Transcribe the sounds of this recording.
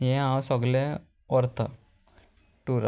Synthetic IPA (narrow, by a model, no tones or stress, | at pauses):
jẽãwsɔɡlẽ | ɔɾt̪ʰə | ʈuɾ